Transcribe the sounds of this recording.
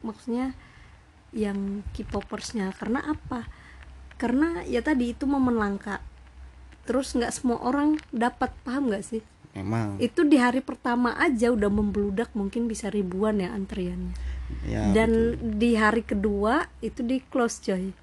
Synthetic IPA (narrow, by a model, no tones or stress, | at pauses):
maksuɲa | jaŋkipopərsɲakarna̰ʔapa | karnajat̪adiːt̪uməmənlaŋkaʔ | t̪əɾʊsŋɡaʔsəmua̰ʔoɾaŋdapat̪̚paɦamŋɡaʔsɪh | it̪udiɦaɾipərt̪amaʔad͡ʒaudahməmbəludak̚muŋkɪnbisaɾibuanjaant̪ɾianɲa̰ | dandiɦaɾikəduait̪udiklosd͡ʒɔj